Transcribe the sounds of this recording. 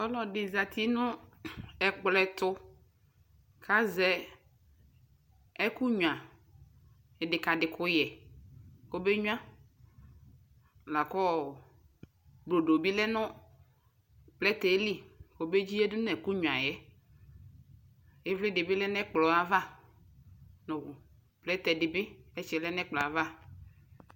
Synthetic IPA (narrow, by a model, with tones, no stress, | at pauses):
ɔ˦lɔ˨dɪ˨za˨t̪ʰi˦nʊ̃˦ | ɛ˨k͡plɛ˨t̪ʊ˦ | kʰa˦zɛ˨ | ɛ˦ku˦ɲu˨ã˨ | ɛ˨dɪ˨ka˨dɪ˨kʊ˦jɛ˨ | ko˦be˦ɲʊ˦ã˦ | la˨kɔ˦˨ | blo˨do˨bi˦lɛ˦nʊ̃˦ | plɛ˦t̪ɛ˨˦li˦wo˦be˦d͡ʒi˦ɛ˦dʊ˦n˦ɛ˨ku˦ɲu˨ã˨jɛ˦ | ɪ˦vlɪ˦dɪ˨bɪ˦lɛ˦nɛ˦k͡plɔ˨a˨va˦˨ | nʊ̃˨ | plɛ˦t̪ɛ˨dɪ˨bɪ˦ɛ˦t͡ʃɪ˨˦lɛ˦nɛ˦k͡plɔ˨a˨va˦